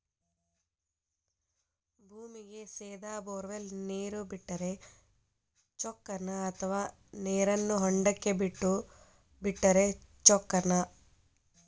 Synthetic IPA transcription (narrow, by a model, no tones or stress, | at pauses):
bʱuːmiɡe̞seːd̪aːboːɾʋelneːɾubiʈːɐɾe | t͡ʃɔkːɐnɐɐt̪ʰɐʋaː | neːɾɐnːuɦɔɳɖɐkːe̞biʈːu | biʈːɐɾe̞t͡ʃɔkːɐnɐ